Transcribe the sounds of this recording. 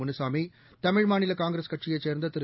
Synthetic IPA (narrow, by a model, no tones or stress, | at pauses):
ʊnɯsaːmi | t̪ɐmɪɻmaːnɪlɐkaːŋɡɾɐskɐʈʂɪjɐɪt͡ʃeːɾnd̪ɐt̪ɪɾ